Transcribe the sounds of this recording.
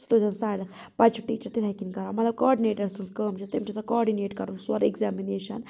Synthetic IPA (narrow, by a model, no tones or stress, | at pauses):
st̪od͡ʒɐnsaːɽɐ | pɐt͡ʃʰʈiːt͡ʃɐɾt̪ilɛkiŋkɐɾaːmɐt̪lɐb̚koɔːɖineːʈɐɾsɐnskəːmt͡ʃʰɐt̪emt͡ʃʰisɐkɔːɖineːʈkɐɾũnswɐɾeɡzaːmineːʃɐ̰n